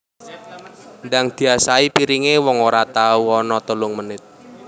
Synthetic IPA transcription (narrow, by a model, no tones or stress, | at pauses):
ndaŋd̪̥i̤asaipiɾiŋewɔŋoɾat̪auɔnɔt̪əlʊŋmənɪt̪̚